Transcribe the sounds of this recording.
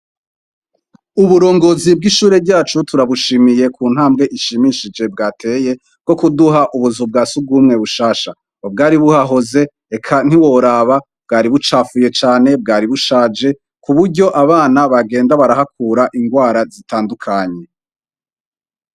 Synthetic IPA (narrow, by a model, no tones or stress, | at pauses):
uβuɾo̞ːŋɡo̞zib̚ɡiʃuːɾe̞bɟaːt͡ʃutuɾaβuʃimije̞kʰuːn̥haːmɡe̞ʔiʃimiʃid͡ʒe̞bɡaːtʰe̞ːje̞ | b̚ɡ̥o̞kuduɦaʔuβuzub̚ɡaːsub̚ɡuːmŋe̞βuʃaːʃa | bɡaːɾiβuhaɦo̞ze̞ | ekʰan̥iwoɾaβa | b̥̚ɡaːɾiβut͡ʃaːfuje̞t͡ʃaːne̞b̚ɡaːɾiβuʃaːd͡ʒe̞ | kuβuɾɟo̞ʔaβaːnaβaɡe̞ːndaβaɾaɦak̚ʰuːɾaʔiŋɡwaːɾazitaːndukʰaɲe̞